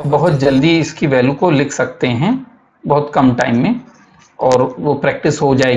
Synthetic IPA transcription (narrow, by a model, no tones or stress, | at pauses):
bɐɦʊt̪̚d͡ʒɐld̪iɪskiʋɛːljukolɪkʰsɐk̚t̪eɦɛ̃ | bɐɦʊt̪kɐmʈa̰ːɪmːẽ | ɔːɾʋopɾɛːk̚ʈɪsɦod͡ʒaːeːɡ